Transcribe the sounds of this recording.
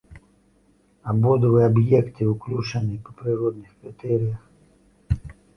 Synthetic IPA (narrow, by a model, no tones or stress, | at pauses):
ɐbod̪əvɨjɐbjekt̪ɨʊklʲuʂənɪjpə̥pɾʲɪɾo̞d̪̚nɨxkɾʲɪt̪ɛɾʲɪjəx